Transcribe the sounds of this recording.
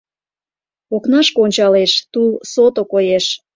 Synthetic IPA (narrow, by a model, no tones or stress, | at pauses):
oknɑʃkoonʲt͡ɕɑleʃt̪ulsot̪okojeʃ